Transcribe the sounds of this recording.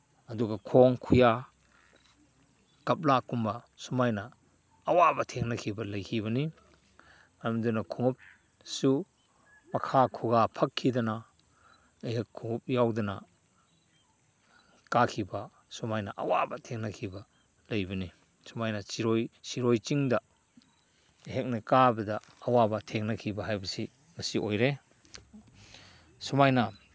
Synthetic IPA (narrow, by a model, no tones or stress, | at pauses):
ɐduɡɐkʰoŋkʰuja | kɐp̚lakumbɐ | sumajnɐː | wabɐtʰeŋnɐkʰibɐlɐjkʰiβɐni | mɐɐmdunɐkʰuŋup̚ | su | mɐkʰakʰuɡapʰɐkʰːidɐnɐ | ɐjɦɐkʰːuŋup̚jawdɐnɐ̰ | kakʰibɐ | sumajnɐʔɐ̰wabɐtʰeŋnɐkʰibɐ | lɐjbɐni | sumajnɐt͡ʃiɾojsiɾojt͡ʃiŋdɐ | ɦek̚nɐkabɐdɐː | wabɐtʰeŋnɐkʰibɐɦajbɐsi | ŋɐsiʔojɾe | sumajnɐ